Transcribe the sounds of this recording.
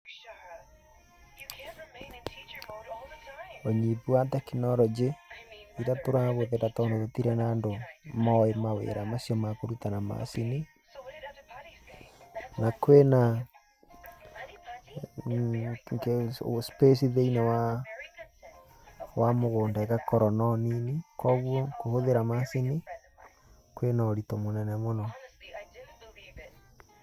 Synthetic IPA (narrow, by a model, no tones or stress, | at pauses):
oɲipuwatɛkinɔɾɔd͡ʒeiɾatoɾaɣoðetatɔndɔðotiɾɛnaːndomɔemawḛɾamasjɔmakoɾutanama̰sini | nakwena | kespes̬iðeinawa | wamoɣoːndɛkakɔɾɔnɔninikɔβwɔkohoðeɾamasini | kwenaoɾitɔmonɛnɛmonɔ